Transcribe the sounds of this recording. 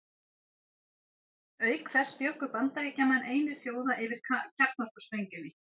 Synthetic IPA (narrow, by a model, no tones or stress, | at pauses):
œːɥkθɛsːpjowkʏpant̪aɪcɛːmanʔeːjnɪɾ̥fjoːwðaʔɪvɪɾ̥cʰaɾ̥t̪̚nar̥kʏspejɲcʏvi